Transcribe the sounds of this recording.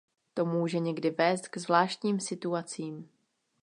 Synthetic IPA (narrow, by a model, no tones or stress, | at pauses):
t̪o̞muːʒɛɲɛɡdɪvɛːst̪kzvlaːʃt̪ɲiːmsɪt̪uat͡siːm